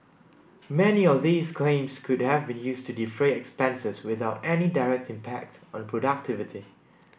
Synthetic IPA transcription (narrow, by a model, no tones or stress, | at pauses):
mɛniɔvðiːskʰlẽɪ̃mskʰʊdhɛvbĩnjuːstʰudifɹeɛkspɛ̃nsəswɪθaʊtɛnidaɹɛk̚tĩmpʰɛk̚tɔ̃npʰɹɔdak̚tʰɪvɪtʰi